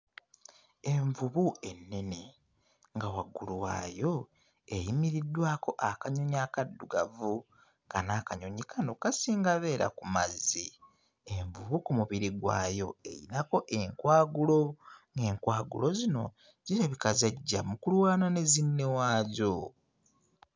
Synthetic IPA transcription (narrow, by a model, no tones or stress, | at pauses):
e̞ɱvuβuʔe̞nːe̞ne̞ | ŋɡawaɡuluwa̰ːjo̞ | ejimiɾidːwaːko̞ʔakaɲoɲaːkadːuɡa̰vu | kanakaɲo̞ɲikanokasiːŋɡaβe̞ːɾa̰kumazi | eɱvuβukumuβiɾiɡwa̰ːjo̞e̞̰ɾḭnako̞ʔe̞ŋkwaːɡulo̞ŋɡe̞ːŋkwaːɡṵlo̞zino̞ | ɟiɾaβikazaɟːamukulwaːnane̞zinːe̞waːɟo